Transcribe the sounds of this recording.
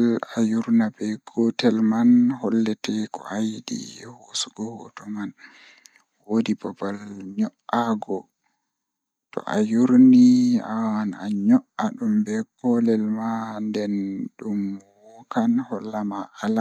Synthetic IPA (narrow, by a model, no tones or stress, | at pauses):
lajuɾnabɛɡ̥ɔtɛlmanhɔlːɛtɛkɔ̰ʔajdḭhosuɡɔhɔtɔman | wodipɔpalɲɔʔaɡɔ | tɔ̰ʔa̰juɾniawana̰ɲɔʔaɗumbɛkɔlɛlmandɛnɗumw | ɔkanhɔlːamaʔala